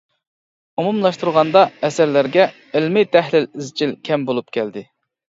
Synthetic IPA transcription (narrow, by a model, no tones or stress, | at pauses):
umumlˠɑʃt̪uɾʁɑnd̪ɑɛsæɾlæɾɡʲɛ | ɪlmɪt̪ʰɛhlɪlizt͡ʃʰilkʲʰɛmbolˠup̚kʲɛld̪ɪ